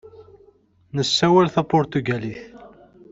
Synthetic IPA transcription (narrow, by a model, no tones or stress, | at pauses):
nəsːæwælθæpʊɾt̪uɡæliθ